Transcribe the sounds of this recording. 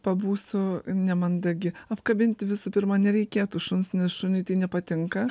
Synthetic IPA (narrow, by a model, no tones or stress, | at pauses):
pɐbuːsʊnʲɛmɐnd̪ɐɡʲɪɐpkɐbʲɪnʲt̪ʲʋʲɪsʊpʲɪɾmɐnʲɛɾʲɛɪkʲeːt̪ʊʃʊnsnʲɛsʃʊnʲɪt̪ɐɪnʲɛpɐt̪ʲɪŋkɐ